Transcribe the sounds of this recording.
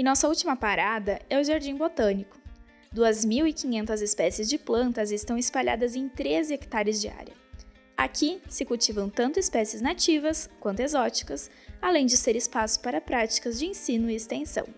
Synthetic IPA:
ẽnɔsɐut͡ʃimɐpaɾad̪ɐɛʊʒaɾd͡ʒĩbot̪ɐ̃nikʊ̥ | d̪uɐzmiwikĩɲẽnt̪ɐzɪspɛsiɪzd͡ʒɪplɐ̃nt̪ɐzɪst̪ɐ̃w̃ɪspaʎa̰d̪ɐzẽj̃t̪ɾezɪekt̪aɾɪzd͡ʒɪa̰ɾʲiɐ | a̰kʰisɪkuwt͡ʃivɐ̃w̃t̪ɐ̃nt̪ʊɪspɛsiɪznat͡ʃivɐskwɐ̃nt̪ʊezɔt͡ʃi̥kɐs | alẽj̃d͡ʒɪseɾɪspasʊ̥paɾɐpɾat͡ʃi̥kɐzd͡ʒɪẽsĩnʊiːst̪ẽsɐ̰̃w̃

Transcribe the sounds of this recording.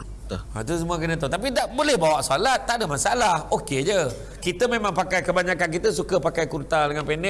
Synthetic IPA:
t̪at̪us̬əmuəkənãt̪ot̪ap̬id̪aʔbolɛhbawaʔsalat̪̚ːaʔdəmãsaalahoked͡ʒə | kit̪əmemãŋpakajkəbaɲakankit̪əsukəpakajkuɾt̪adəŋanpenɛ

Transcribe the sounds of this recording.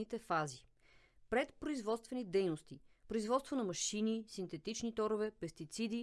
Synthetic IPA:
it̪ɛfazi | pɾɛt̪pɾoizvɔt̪st̪vɛnid̪ɛjnost̪ipɾoizvɔt̪st̪vonɐmɐʃinisint̪ɛt̪it͡ʃnit̪ɔɾovɛpɛst̪it̪sid̪i

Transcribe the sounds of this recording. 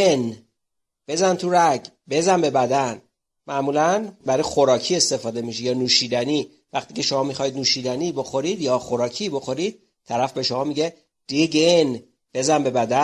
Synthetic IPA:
en | b̥e̞zænt̪ʰuɾæɟ | be̞zænbe̞bæd̪æn | mæʔmuːlænbæɾɒjxoɾɒːcʰie̞st̪e̞fɒːd̪e̞miʃijɒːnuːʃiːd̪æni | væxt̪ʰiːcʰe̞ʃo̞mɒːmixɒjid̪nuːʃid̪ænibo̞xo̞ɾid̪jɒːxo̞ɾɒːcʰibo̞xo̞ɾid̪̥̚ | t̪ʰæɾæfbe̞ʃo̞mɒːmiɟe̞ | d̥̪iɡen | b̥e̞zænbe̞bæd̪æ

